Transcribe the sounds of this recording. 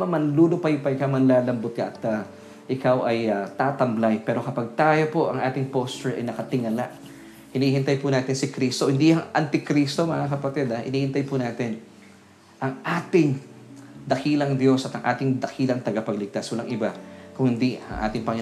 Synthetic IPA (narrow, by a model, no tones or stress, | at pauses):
mɐmɐnluːlopɐjpɐɪkawmɐnlaːlɐmbot̪̚ka̰ʔɐt̪a | ʔɪkawʔɐjɐt̪aːt̪ɐmblajpɛːɾo̞kɐpaɡ̚t̪aːjo̞po̞ʔɐŋʔaːt̪ɪŋpost͡ʃɛɹʔɐ̰jnɐkɐt̪ɪŋɐlaʔ | hɪnihɪnt̪ajpʊnaːt̪ɪnsɪkɾist̪ohɪnd̪ijɐŋʔɐnt̪ɪkɾist̪o̞mɐŋakɐpɐt̪ɪd̪aʔɪ̰niːhɪnt̪ajpʊnaːt̪ɪn | ʔɐŋʔaːt̪ɪŋ | d̪ɐkiːlɐŋd̪jo̞sɐt̪ɐŋʔaːt̪ɪŋd̪ɐkʰiːlɐŋt̪ɐɡɐpɐɡlɪɡ̚t̪aswɐlaŋʔɪbakʊŋhɪnd̪iɐ̰ŋʔa̰ːt̪ɪŋpɐŋɪ